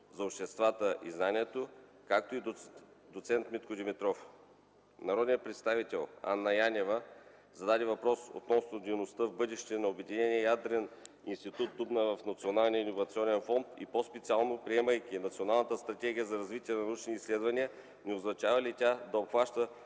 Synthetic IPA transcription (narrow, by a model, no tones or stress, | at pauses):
zɐopʃt̪ɛst̪vat̪əʔḭznanʲiɛt̪o | kak̚t̪oid̪ot̪sɛnt̪mit̪kod̪imit̪ɾɔf | nɐɾɔd̪nʲijətpɾɛt̪st̪avit̪ɛlˠa̰nːɐjanʲɛvə | zɐd̪ad̪ʲivɐpɾɔso̰t̪nɔsnod̪ejnost̪əvbɤd̪ɛʃt̪ɛnɐobɛd̪inɛnʲiɛjad̪ɾɛn | inst̪it̪ut̪̚d̪ubnəvɐfnɐt̪sionalˠnijəinːovɐt̪siɔnɛnfɔnt̪ipospɛt̪sialˠnopɾiɛməjkʲinɐt̪sionalˠnət̪əst̪ɾɐt̪ʲɛɡʲijəzɐɾɐzvit̪ʲiɛnɐnɐut͡ʃnʲiːslɛd̪vɐniə | nɛoznɐt͡ʃavɐlit̪ʲad̪ɐopxvaʃt̪ə